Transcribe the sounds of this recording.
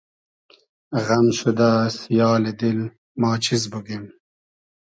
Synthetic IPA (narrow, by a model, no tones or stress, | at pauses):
ʁɐmɕud̪asijɑːled̪il | mɑːt͡ɕʰizbuɡem